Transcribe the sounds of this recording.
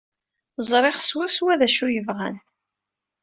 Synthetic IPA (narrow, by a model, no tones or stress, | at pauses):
zˤɾˤeχswʊswæðæʃujəvʁæ̰n